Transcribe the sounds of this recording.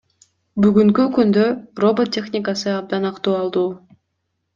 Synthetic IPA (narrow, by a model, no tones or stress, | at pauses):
byɡyŋkykynd̪øro̞bot̪ʲːe̞xnʲɪkasɯɑb̚d̪ɑnɑqt̪uːɑlˠd̪uː